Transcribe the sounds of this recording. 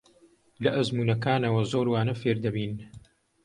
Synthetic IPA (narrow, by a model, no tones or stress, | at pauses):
lɐʔɐzmuːnɐkaːnɐwɐzoːɾwaːnɐfeːɾd̪ɐbiːn